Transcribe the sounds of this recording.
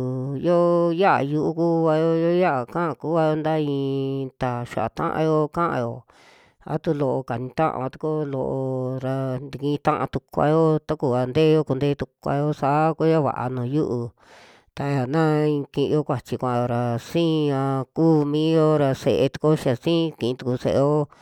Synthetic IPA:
jo˦ja˦ʔa̰˨ju˧ʔu˦ku˦βa˧jo˦jo˦ja˦a˨kã˦ʔku˦a˧jo˧˦nd̪a˦ĩː˧t̪a˨ʃa̰˨ʔa̰˨t̪ã̰˦ʔã̰˧jo˦kã˦ʔã̰˧jo˨ | a̰˦t̪u˦lo˧˨ʔo˧ka˨nĩ˧t̪ã̰˦ʔã̰˧βa˧t̪u̥˧ko˦lo˧ʔo˧ɾa˧nd̪i˧kĩ˧t̪ã˦ʔã̰˧t̪u˧kʷa̰˧jo˦t̪a˦ku˨a˧nd̪eː˦jo˦ku˧nd̪eː˦t̪u˧kʷa̰˧jo˦sa˨˦ko˦ja˦βa̰˨ʔa̰˧nõː˨ju˦ʔu˧ | t̪a˧ja˨nã˦ĩ˧kĩ˧ʔjo˦kʷa˨t͡ʃi˧kʷã˧jo˧ɾa˨sĩː˦˧ã˧kuː˦mĩː˦jo˦ɾa˧se˧ʔe˧t̪u̥˧ko˦ʃa˨sĩː˦˧kĩ˨ĩ˧t̪u˧ku˧sḛ˧ʔe˧jo˦

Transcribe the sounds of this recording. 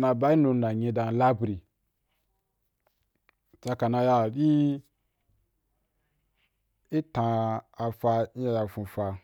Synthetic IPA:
na˧˨ba˦i˦no˧˦na˨ɲẽ˧da˨n˨la˦bɾi˨ | t͡ʃa˧ka˨na˧ja˧˨ɗi˦ | i˦tã˧a˧fa˧i˦ja˧ja˧˨fũ˧fa˧

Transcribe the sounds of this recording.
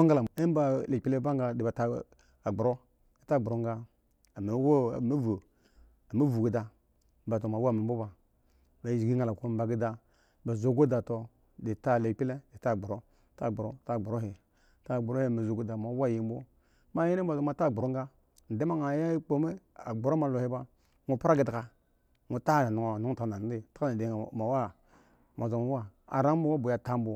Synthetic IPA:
ŋ˦ɡa˦la˨e˦ba˦le˨pi˦le˦ba˦ŋ˦ɡa˨di˨ba˨ta˨ | a˨ɡ͡bu˨ɾo˦ | i˨ta˦˨ɡ͡bu˨ɾo˦ŋ˦ɡa˦ | a˨me˨˦wme˦vu˨ | a˨ma˦vu˨ɡi˦da˨ | m̩˦ba˨to˨ma˨˦wo˦˨me˨m̩˦bo˦ba˨ | ba˨˦i˨ɡi˦ŋa˨la˨ko˦m̩˦ba˨ɡi˦da˨ | ba˨zo˦˨ɡo˦da˨to˨ | di˨ta˦˨le˨pi˦le˦di˨ta˦˨ɡ͡bu˨ɾo˦ | ta˦˨ɡ͡bu˨ɾo̰˦ta˦˨ɡ͡bu˨ɾo˦he˨ | ta˦˨ɡ͡bu˨ɾo˦e˦˨me˨zo˨ɡo˦da˨ma˨˦wa˦˨ji˨m˦bo˦ | ma˦ji˦n˦ba˨zo˨ma˨ta˦˨ɡ͡bu˨ɾo˦ŋ˦ɡa˦ | n̩˨de˦ma˦ŋa˨ja˦i˦k͡po˦me˦a˨ɡ͡bu˨ɾo˦ma˨lo˨hi˦ba˦ | ŋu˨pɾa˦ɡi˨da˨ka˨ | ŋu˨ta˦˨na˨nu˨ŋo˨nu˦ta˨˦na˨˦i˦ta˦ka˦a˨de˨ma˨wa˦ | ma˨zo˨ma˦wa˦a̰˨ɾa˦o˦wa˦bu˨ja˨ta˦m˦bo˨

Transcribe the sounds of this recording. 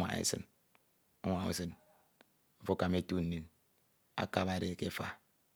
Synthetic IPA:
a̰˨ḛ˦sɨ̰˦n | o̰˦ŋʷa˨ṵ˦sɨ˦n̩˦ | fo˦ka˨me˦tu˦n̩˨nːi˦n | a̰˦ka˦βa˨ɾe˦˨ke˦fa̰˦

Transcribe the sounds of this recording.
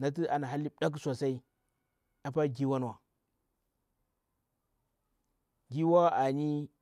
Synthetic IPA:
na˨t̬i˦a˨na˨ɦa˦lːi˦ɗa˦ksa˨sa˦i˦ | a˨pa˦ɡi˦wa˦nwa˨ | ɡi˦wa˦a˨ni˦

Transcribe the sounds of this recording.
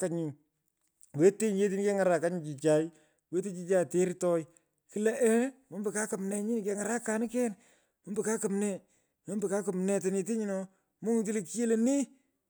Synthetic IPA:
ka˦ɲu˨ | we˦te˦˨ɲ˦e˦t̬i˦n˦ke˦ŋa˨ɾa˨ka˦ɲu˨t͡ʃi˨t͡ʃa˨j | we˦te˦t͡ʃi˦t͡ʃa˦te˦ɾtɔ˦j | ki˦lɛ˦ʔɛ˦mo˦mbɪ˨ka˦ka˨mnɛ˨ɲi˦n˨kɛ˨˦ŋa˨ɾa˦ka˨nɪ˦kɛ˦n | mo˦mbɪ˨ka˦ka˨mnɛ˦˨ | mo˨˦mbi˨ka˦kʊ˨mnɛ˨t̬ɪ˨ne˨t̬e˦ɲɪ˦nɔ˨ | mʊ˦ŋ˨ti˦le˨ki˦je˦le˨ni˦

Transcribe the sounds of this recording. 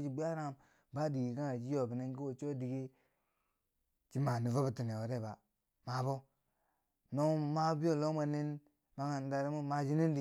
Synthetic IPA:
d͡ʒi˨bi˦a˦ɾa˦ŋ˨m | ba˦di˨ɡi˨ka˦ŋa˨d͡ʒi˦jo˨bi˨ne˦ŋki˦wo˨t͡ʃo˦di˨ɡi˦ | t͡ʃi˦ma˨ni˨vo˦bi˨ti˨n˨e˨wo˨ɾe˦˨ba˨ | ma˨bo˦ | no˦ma˦bi˦o˨lo˦ma˨ni˦n | ma˦ŋa˨n˨da˨ɾi˦mu˦ma˦d͡ʒi˦ni˦n˦di˨

